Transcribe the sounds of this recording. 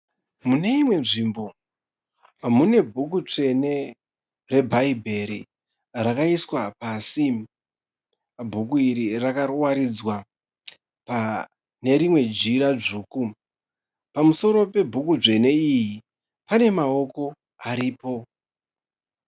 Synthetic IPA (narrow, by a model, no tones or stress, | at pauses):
mune̞imwe̞nʐimbo̞ | mune̞bʱukut͡ʂe̞ne | re̞bʱaibʱe̞ɾi | rakaiswapasi | bʱukuiɾirakarwaɾid͡zwa | pa | ne̞ɾimwe̞d͡ʒiɾaʐuːku | pamuso̞ɾo̞pe̞bʱukud͡ʐe̞ne̞iji | pane̞mao̞ko̞ | aɾiːpo̞